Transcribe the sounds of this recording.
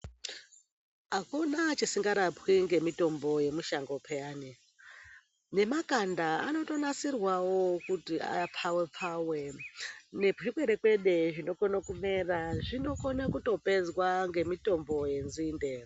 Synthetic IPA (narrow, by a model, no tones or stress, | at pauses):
ɦakunat͡ʃisiŋɡaɾapwiŋɡe̞mito̞mbo̞je̞muʃaŋɡopʰeaːni | ne̞makandaa̰no̞to̞nasirwawo̞kutia̰apʰawepʰawe | ne̞puʃikweɾekwe̞ɗe̞ʐino̞konakume̞raʐino̞ko̞nakuto̞pe̞zwaŋɡe̞mito̞mbo̞je̞nzinde